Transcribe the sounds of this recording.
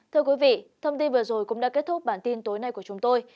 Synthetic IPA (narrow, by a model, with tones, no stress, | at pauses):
t̪ʰɨ˧əkwi˨˦vḭ˧˨t̪ʰə˧wŋ͡mt̪i˧nvɨ˨˩əzo˨˩jkʊ̰˧˥ŋ͡mɗa̰ː˧˥ke˦˥t̚t̪ʊ˦˥k͡p̚ɓaː˧˩nt̪i˧nt̪o˨˦jna˧jku˧˩ət͡ɕʊ˨˦ŋ͡mt̪o˧j